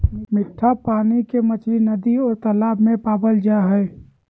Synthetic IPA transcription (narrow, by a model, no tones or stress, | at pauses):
mɪʈʰːapaːnikemət͡ʃlinəd̪iɔːɾt̪əlaːbmẽpaːbəld͡ʒaɦɛ